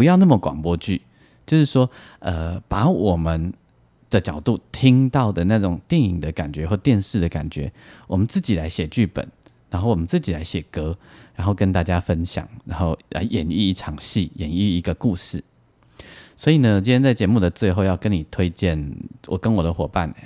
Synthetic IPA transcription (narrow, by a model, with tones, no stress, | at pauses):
pu˧˦jɑ˥˧ʊna˥˩mə˨˩kwɑ̰˨˩ŋpwɔ˦˥t͡ɕy˥˩ | t͡ɕjo˥˧ʊʂɻ̩˥˩ʂwɔ˥ | ə˧pa˨˥˦wɔ˨˩mə˨˦n | d̪̥ə˨t͡ɕjɑ˨˩ʊt̪u˥˨t̪ʰi˦ŋt̪ɑ˥˩ʊd̪ə˩na˥˩ʈ͡ʂʊ˨˩ŋt̪jɛ˥˨˩ni˨˩ŋd̪ə˦ka̰˨˩nt͡ɕɥɛ˧˦˥xwɔ˥˧˩t̪jɛ˥˧nʂɻ̩˥˩d̪ə˩ka̰˨˩nt͡ɕɥɛ˧˦wɔ˨˩mə˦nt͡sɹ̩˥˩t͡ɕi˨˩la˧˥ɪɕjɛ˨˩t͡ɕy˥˩pə̰˨˩˦n | ɻa˧˥nxo˥˩ʊwɔ˨˩ə˦nt͡sɹ̩˥˩t͡ɕi˨˩la˧˦ɪɕjɛ˨˩kɤ˦˥ɻa˨˧˥nxo˥˩ʊkə˦nt̪a˥˩t͡ɕja˦fə˦˥nɕjɑ̰˨˩˦ŋɻa˧˦nxo˥˩ʊla̰˧˦ɪʔjɛ˨˩ni˥˧i˧˥˩ʈ͡ʂʰɑ˨˦ŋɕi˥˩jɛ˨˩ni˥˧i˧˥ɡə˧ku˥˧ʂɻ̩˥˩ | swɔ˧˥i˨nə˩wt͡ɕi˥njɛ˥nt͡sa˥˩ɪt͡ɕjɛ˧˥mu˥˩d̪ə˩t͡swe˥˧ɪxo˥˧ʊjɑ˥˩ʊkə˧˦nːi˨˩t̪ʰwe˥ɪt͡ɕjɛ˥˩nwʔɔ̰˨˩kə˦nwɔ˨˩d̪ə˦xwɔ˨˩pa̰˥˨nḛ˨˩